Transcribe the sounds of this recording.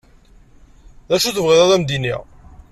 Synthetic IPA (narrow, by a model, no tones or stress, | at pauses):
ðæʃuθəvʁɪðˤɑðˤæmd̪inḭʁ